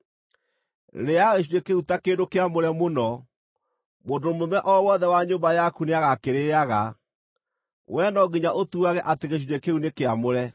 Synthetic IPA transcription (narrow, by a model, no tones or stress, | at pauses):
ɾeaɣeɕ̬iɾekeutakeːndokeamoɾɛmonɔ | mondomomɛʔɔwɔðɛwaɲoːmbajakuneaɣakeɾeaɣa | wʔɛnɔɡiɲaʔotuaɣɛʔateɣeɕ̬idekeunekeamoɾɛ